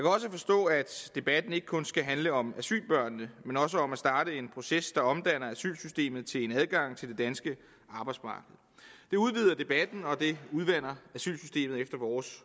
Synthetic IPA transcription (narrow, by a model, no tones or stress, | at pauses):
jɑkʰæɒ̽s̬əfɒ̽sd̥ɔ̰̽ːæd̥d̥e̝b̥æd̥n̩e̝ɡ̥ə̥kʰɔ̽nsɡ̥æɦænləɒ̽mæsy̰ːlb̥ɶɐ̰nəəmenɒ̽s̬əɒ̽mæsd̥ɑ̈ːɾəe̝npʰʁo̝sesd̥ɑ̈ɒ̽md̥æn̰ɐæsy̰ːlsysd̥e̝̰ːmð̩ˠt͡sʰe̝le̝næð̞ˠɡ̥ɑ̈ŋ̰t͡sʰe̝ld̥e̝d̥ænsɡ̥ə | ɑ̈ːb̥ɑ̈ɪ̥smɑ̈ːɡ̥əð̩ˠd̥e̝uð̞ˠʋið̞̰ˠɐd̥e̝b̥æd̥n̩ɒ̽d̥e̝uð̞ˠʋæn̰ɐæsy̰ːlsysd̥e̝̰ːmð̩ˠefd̥ɐʋɒːs